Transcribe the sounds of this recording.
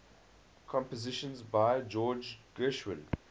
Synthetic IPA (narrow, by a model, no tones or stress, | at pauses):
kʰɔ̃mpəzɪʃə̃nzbaɪd͡ʒɔːd͡ʒɡ̥ɜʃwə̃n